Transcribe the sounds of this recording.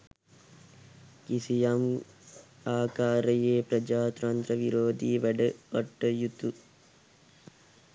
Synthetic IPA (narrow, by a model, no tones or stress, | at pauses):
kisijam | aːkaːɾɐjeːpɾɐd͡ʒaːt̪ɾɐnt̪ɾɐʋiɾoːd̪iʋɐɖɐɐʈːɐjut̪u